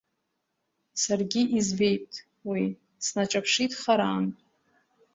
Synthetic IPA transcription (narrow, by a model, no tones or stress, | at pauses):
sarɡʲiʔizbe̞jttʼ | wi | snat͡ʃʼapʰʂitʼχaɾaːnʼ